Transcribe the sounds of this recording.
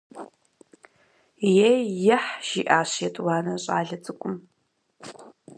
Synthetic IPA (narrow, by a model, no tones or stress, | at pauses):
jejɪħʒḭːʔaːɕetʼwaːnɐɕʼa̰ːɮɐt͡sʼɨkʷʼʊm